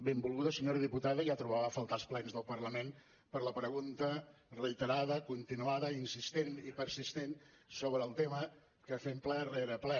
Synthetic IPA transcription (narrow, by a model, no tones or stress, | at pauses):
bembulˠɣuðəsəɲoɾəðiput̪aðəʒat̪ɾuβ̞aβəfəlˠt̪alˠsplɛnzðəlˠpərləmen | pəɾləpɾəɣunt̪ərəit̪əɾaðəkunt̪inuaðəinsist̪enipəɾsist̪en | soβɾəːlˠt̪emə | kəfemplɛreɾəplɛ